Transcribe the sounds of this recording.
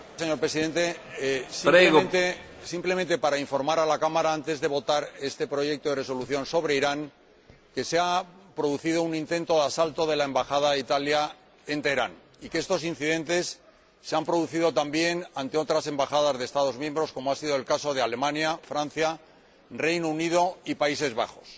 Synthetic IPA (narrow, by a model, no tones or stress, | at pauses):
seɲo̞ɾpɾe̞siðe̞nt̪esimeɣnt̪e | simple̞mẽ̞nt̪e̞paɾaiɱfo̞ɾmaɾalakamaɾaant̪e̞zðe̞βo̞t̪aɾe̞st̪e̞pɾo̞ʝe̞k̚t̪oðreso̞luθjo̞nso̞β̞ɾe̞iɾaŋ | ke̞seapɾo̞ðuθið̞o̞unĩnt̪ẽ̞nt̪o̞ðasalt̪o̞ðe̞laembaxað̞ait̪alja | e̞nt̪ejɾan | ike̞st̪o̞sin̟θiðẽ̞nt̪e̞sː | e̞ampɾo̞ðuθiðo̞t̪ambje̞nant̪e̞o̞t̪ɾase̞mbaxaðazðest̪aðo̞zmje̞mbɾo̞sko̞moasiðo̞elkaso̞ðe̞ale̞mãnjafɾãnθja | re̞jnounið̞o̞ipais̬e̞zβa̰xo̞s